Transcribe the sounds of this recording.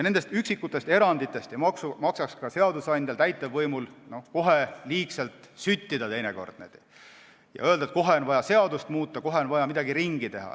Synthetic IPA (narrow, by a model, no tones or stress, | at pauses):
jne̞nd̪est̪yksikːˑut̪ːˑe̞st̪e̞ɾɑnd̪̥it̪ːˑe̞st̪eksumɑksɑkskɑse̞ɑd̪usɑjnʲd̪elt̪æjt̪ːˑevɤjmulno̞ko̞ɦe̞liːkselt̪syt̪ʲːid̪̥ɑt̪e̞jneko̞̰rd̪̥ned̪̥i | jɑ̰øld̪ɑet̪̚ko̞ɦe̞onvɑjɑse̞ɑd̪̥ust̪muːt̪ˑːɑko̞ɦe̞onvɑjɑmid̪ɑɡiɾiŋɡ̥it̪e̞ɦɑ̰